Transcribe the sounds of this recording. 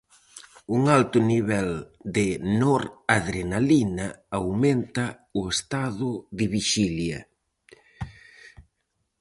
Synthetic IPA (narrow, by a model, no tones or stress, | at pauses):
uŋalt̪ʊniβɛld̪ɪnɔɾaðɾenalinɐawment̪ɐ | ʊest̪aðʊðɪβiʃiljɐ̰